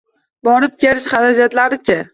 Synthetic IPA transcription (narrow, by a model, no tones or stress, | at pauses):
bɒɾɪp̚kʲeɾɪʃχaɾad͡ʒat̪laɾɪt͡ʃʰa